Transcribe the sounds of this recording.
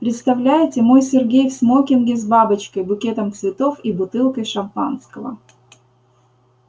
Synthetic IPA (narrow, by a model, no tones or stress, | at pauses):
pɾʲɪt̪st̪ɐvlʲæjɪtʲɪmo̞jsʲɪrɡʲejfsmokʲɪnɡʲɪzbabət͡ɕkəjbʊkʲet̪əmt̪svʲɪt̪o̞fibʊt̪ɨlˠkəjʂɐmpanskəvə̰